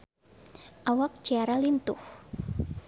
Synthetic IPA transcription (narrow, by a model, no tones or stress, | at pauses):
ʔawak̚d͡ʒ̥aɾalint̪ʊh